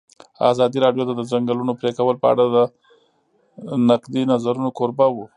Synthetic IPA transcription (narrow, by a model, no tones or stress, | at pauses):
ɑ̰zɑd̪iɾɑɖjot̪ad̪əzaŋɡəlunopɾekawəlpəa̰ɽad̪ə | naqd̪inazaɾunokoɾbawu